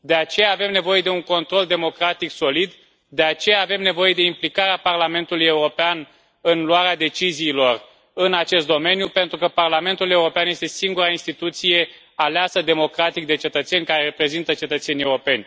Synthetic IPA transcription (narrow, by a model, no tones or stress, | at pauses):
d̪e̞at͡ʃe̞jaːve̞mne̞vo̞je̞d̪e̞uŋko̞nt̪ɾo̞ld̪e̞mo̞kɾat̪ikso̞lid̪ | d̪e̞at͡ʃe̞jaːve̞mne̞vo̞je̞d̪e̞implikaɾeaparlame̞nt̪uluje̞uɾo̞pean | ɨnluaɾead̪e̞t͡ʃiziːlo̞r | ɨnat͡ʃe̞st̪̚d̪o̞me̞njupe̞nt̪ɾukəparlame̞nt̪ule̞uɾo̞peanje̞st̪e̞siŋɡuɾainst̪it̪ut̪sije̞ | aleasəd̪e̞mo̞kɾat̪ik̚d̪e̞t͡ʃe̞t̪ət̪se̞nʲkaɾe̞ɾe̞pɾe̞zint̪ət͡ʃe̞t̪ət̪se̞nie̞uɾo̞pe̞nʲ